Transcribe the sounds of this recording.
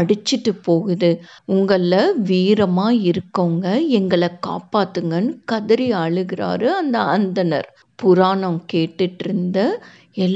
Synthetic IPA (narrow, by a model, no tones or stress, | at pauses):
ɐɽɯt͡ʃːɪʈːɯpoːɣɯðɯ | ʊŋɡɐɭːɐʋiːɾɐmaːɪɾɯkːoːŋɡɐɛŋɡɐɭɐka̰ːpaːt̪ːɯŋɡɐnɯkɐðɐɾɪɐɭɯɣɪɾa̰ːɾɯɐnd̪ɐɐnd̪ɐnɐ̰ɾ | pʊɾaːɳɐ̃mkeːʈːɪʈːɪɾɯnd̪ɐ | ɛlː